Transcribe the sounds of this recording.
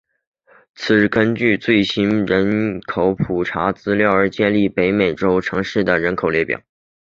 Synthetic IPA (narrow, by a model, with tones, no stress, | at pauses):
t͡sʰɹ̩˨˩˥kə˥nt͡ɕy˥˧t͡swe˥˩ɪɕi˥nɻə˧˥nkʰo˨˧˥ʊpʰu˨˩ʈ͡ʂʰa˧˥t͡sɹ̩˥ljɑ˥˩ʊə˞˧˥t͡ɕjɛ˥˧nli˥˩pe˧˥ɪme˨˩ɪʈ͡ʂo˥ʊʈ͡ʂʰɤ˧˥ŋʂɻ̩˥˩d̪ə˩ɻə˧˥nkʰo˨˩ʊljɛ˥pjɑ̰˨˩˦